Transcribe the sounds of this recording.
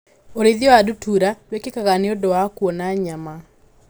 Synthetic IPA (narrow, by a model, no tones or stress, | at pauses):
oɾeðjɔadutuɾatwekekaɣaneodɔwakwɔnaɲama